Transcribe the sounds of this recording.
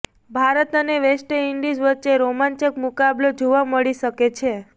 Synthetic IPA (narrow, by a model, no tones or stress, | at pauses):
bʱaɾət̪əneʋesʈəiɳɖid͡ʒʋətːt͡ʃeɾomãɲt͡ʃəkmukablod͡ʒoʋaməɭiʃəket͡ʃʰe